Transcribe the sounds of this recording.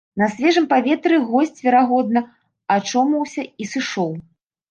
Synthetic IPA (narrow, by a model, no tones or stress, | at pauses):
nɐsʲvʲɛʐɨmpavʲɛt̪ɾɨɣɔsʲt͡sʲvʲɛɾaɣɔd̪̚nɐ | at͡ʂɔmɐwsʲɐisɨʂɔw